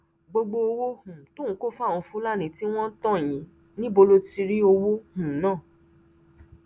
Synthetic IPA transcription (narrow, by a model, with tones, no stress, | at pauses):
ɡ͡bo˧ɡ͡bo˧o˧wo˦hũ˨tũ˦˨˦ko˦˨fã˦˨ɔ̃˧fũ˦la˦˨nĩ˨˦ti˦w̃ɔ̃˦n̩˦tɔ̃˦˨j̃ĩ˨˦ | nĩ˦bo˧lo˦ti˧ɾi˦o˧wo˦hũ˨˦nãː˦˨